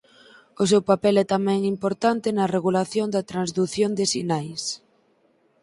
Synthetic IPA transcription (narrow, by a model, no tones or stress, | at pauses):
ʊs̬ewpapɛlɛt̪amɛ̃ŋimpoɾt̪ant̪ɪnɐreɣulaθjond̪ɐt̪ɾanzðuθjond̪ɪsinajs